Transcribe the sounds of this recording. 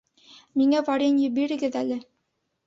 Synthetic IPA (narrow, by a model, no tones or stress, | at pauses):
miŋævɑɾʲenjɵbiɾɘ̆ɡɘðælɘ